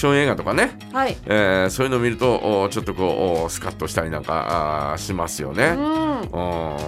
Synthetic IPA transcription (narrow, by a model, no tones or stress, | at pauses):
ɕõɰ̃eːɡat̪o̞kane̞ | aieːso̞ːjiɯ̟no̞ːmʲiɾɯ̟t̪o̞ʔːt͡ɕo̞t̪ːo̞ko̞ːsɨ̥kat̪ːo̞ɕi̥t̪aɾʲinã̰ŋka̰ɕimasɨjo̞̰neɯ̃ː